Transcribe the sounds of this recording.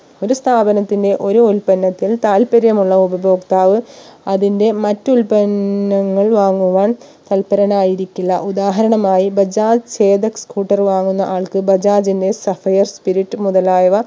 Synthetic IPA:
o̞ɾust̪ʰaːbɐnɐt̪ːinde̞ʔo̞ɾuulpɐnːɐt̪ːilt̪aːlpɐɾjɐmuɭːɐubɐbo̞ːkt̪aːʋɨɐðinde̞mɐtːulpɐnːɐŋːɐɭʋaːŋːuʋaːɳ | t̪ɐlpɐɾɐnaːjiɾikʲːuɭːɐ̰ʔud̪aːɦɐɾɐɳɐmaːjibɐd͡ʑaːt͡ɕeːd̪ɐkskuːʈːɐrʋaːŋːunːɐʔaːɭkɨbɐd͡ʑaːd͡ʑinde̞sɐfɐjɐrspiɾiʈːɨmuðɐlaːjɐʋɐ

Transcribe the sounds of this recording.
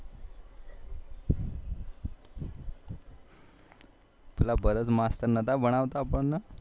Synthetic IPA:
t̪ulabʱəɾət͡smast̪əɾnət̪abəɽ̃aʋt̪aːpəɳna

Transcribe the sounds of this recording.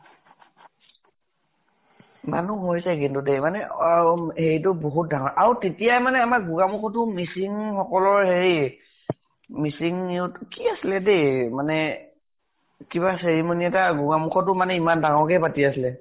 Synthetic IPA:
ma̰nuɦojsɛkintudemanɛ | heɹitʊboɦut̚daŋɔɹʔaɹutetijajmanɛamakɡuɡamukʰɔtʊmisiŋxɔkɔlɔɹheɹi | misiŋniʊtkiasilɛdejmanɛ | kiβaseɹimoniɛtaɡuɡamuxʰɔtʊmanɛimandaŋɔɹkɛpatiasilɛ

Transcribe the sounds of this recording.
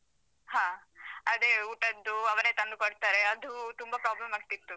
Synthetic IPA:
haːɐd̪eːuʈɐd̪ːuɐʋɐneːt̪ɐnd̪ukoɽt̪aːɾeɐd̪ut̪umbɐpɾaːblɐmaːɡ̚t̪it̪ːu

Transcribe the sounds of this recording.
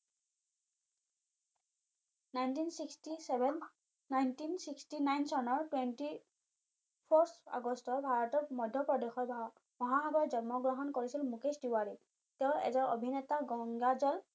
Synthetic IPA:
najntinsikstisɛbnː | ajntinsikstinajnsɔnɔɹtwenti | pʰɔsʰa̰ɡɔstɔɹbʱaɹɔtɔɹmɔdʱjɔpɹɔdexɔɹbʱa | mɔɦaɦaɡɔɹzɔnmɔɡɹɔɦɔnkoɹisilmukesdiwaɹi | tɛʊ̃lɛ̰zɔɹo̰bʱinɛtaɡɔŋɡazɔl

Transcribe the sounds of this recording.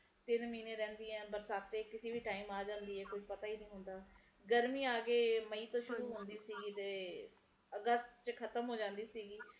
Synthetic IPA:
t̪ɪnmiːneːɾɛ̃ːnd̪iːɛ̃ːbəɾsaːt̪ːeːkɪseːbʱiːʈaːiːmaːd͡ʒãːnd̪iːɛːkʊd͡ʒpət̪aːiːnĩːɦʊnd̪aː | ɡəɾmiːaːɡeːməiːt̪õːʃʊɾuːɦʊnd̪iːsiːɡiːt̪eː | əɡəst̪t͡ʃkʰət̪əmɦoːd͡ʒãːnd̪iːsiːɡiː

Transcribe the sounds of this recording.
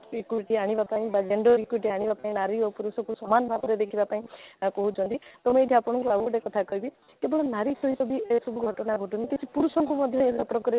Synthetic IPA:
ikuʈiaɽ̃ibapaĩbad͡ʒeɳɖɔɾikuʈiaɽ̃ibapaĩnaɾiɔpuɾusɔkusɔmanɔbʱabɔɾed̪ekʰibapaĩkɔɦut͡ʃʰɔ̃nt̪it̪ɔmũeʈ̪ʰiapɔɽ̃ɔŋkuaɡoɖekɔt̪ʰakɔɦibi | k̪ebɔɭɔnaɾisɔɦisɔbisɔbʱuɡʱɔʈɔnaɡʱɔʈunit̪et͡ʃʰipuɾusɔŋkɔmɔd̪ʱjɔeapɾɔkɔɾi

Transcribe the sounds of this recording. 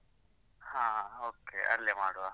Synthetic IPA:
hãːoːkḛːə̰lemaːɽoaː

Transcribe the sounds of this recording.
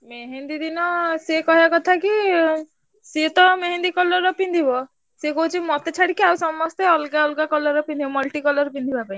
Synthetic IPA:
meɦend̪id̪inɔsekɔɦiakɔt̪ʰaki | set̪ɔmeɦend̪ikɔlɔɾɔpind̪ʱibɔ | sekɔɦut͡ʃʰimɔt̪et͡ʃʰaɽikiawsɔmɔst̪eɔlɡaɔlɡakɔlɔɾɔpind̪ibɔmɔlʈikɔlɔɾɔpind̪ʱibapaĩ

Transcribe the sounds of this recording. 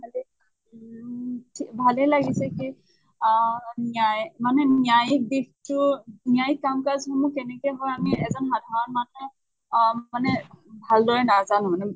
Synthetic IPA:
bʱalɛ | tʰibʱalɛlaɡisɛki | niajmanɛnjajik̚dixtʊnjajikːamkazxɔmukɛnɛkɛjɦɔjamiɛzɔnxadʱaɹɔnmanɛ | manɛbʱaldɔɹɛnazanʊ̃manɛ

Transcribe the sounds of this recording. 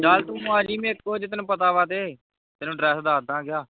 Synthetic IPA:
d͡ʒaːlt̪ũːmaːd͡ʒiːmẽːɪkːoːd͡ʒɪt̪nũːpət̪aːʋaːt̪eː | t̪enũːɖɾɛːsd̪aːd̪ãːɡɪjaː

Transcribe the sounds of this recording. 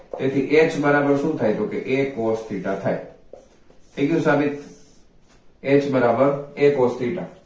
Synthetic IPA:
t̪eːt̪ʰiʔeːt͡ʃbəɾaːbəɾsũːt̪ʰaːit̪oːkeʔeːkoːst̪ʰiːʈat̪ʰaːḛ | eːkijũsaːbɪt̪ | eːt͡ʃbəɾaːbəɾeːkoːst̪iːʈa

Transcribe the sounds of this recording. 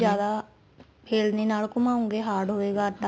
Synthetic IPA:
jaːd̪aː | pʰeːlneːnaːlkʊmãːʊ̃ŋɡeːɦaːɖɦoːeːɡaːt̪a

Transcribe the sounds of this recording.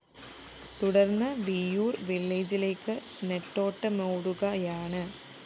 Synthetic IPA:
t̪uɽɐrnːɐʋijuːrʋilːeːd͡ʑile̞ːkːɨ | neʈːo̞ːʈːɨmeːɽuɣɐjaːɳɨ

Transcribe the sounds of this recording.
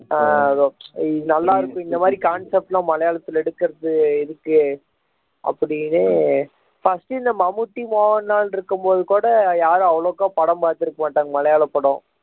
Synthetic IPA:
aɐðoɪnɐlːaːɪɾɯkːʊ̃ɪnd̪ɐmaːd̪ɾikaːnsɛp̚ʈlãːmɐlɐjaːɭɐt̪ːɪlɛɽɯkːɪɾɐðɯɪðɯkːɯ | ɐ̰pːɐɽɪnɯ | fɐsʈɯɪnd̪ɐmɐmɯʈːimoːnːaːlɪɾɯkːɯmpoːðɯkuːɽɐjaːɾõɐʋɐɭoːkːaːpɐɽɐ̃mpaːɾt̪ːɪɾɯkːɐmaːʈːaːŋɡɐmɐlɐjaːlɐpːɐɽõː

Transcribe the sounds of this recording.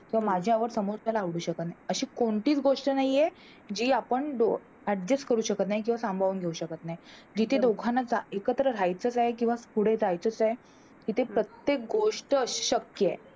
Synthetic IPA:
kĩw̃ʋamad͡ʑʱjaʋəɾsəmoɾt͡salaːʋɽuːɕəkət̪naɦjəɕiːkoɳʈiːt͡sɡoʂʈənaɦije | d͡ʑiːapəɳɖo | əɖd͡ʑeskəɾuːɕəkət̪naɦjk̬ĩw̃ʋasãmbʱaʋuːnɡʱeuɕəkət̪naɦid͡ʑit̪ʰed̪oɡʰʱanːat͡saekət̪ɾəɾajt͡sət͡saɦek̬ĩw̃ʋaspuɽed͡zajt͡sət͡saj | kit̪ʰepɾət̪jek̚ɡoʂʈə̥ɕəkjəe

